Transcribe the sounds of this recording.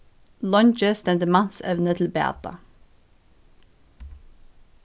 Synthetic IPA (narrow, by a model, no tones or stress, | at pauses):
lœnt͡ʃəst̪ɛmd̪əmɑsɛʋnət̪ʰl̩bɛɑ̰t̪ɑ̰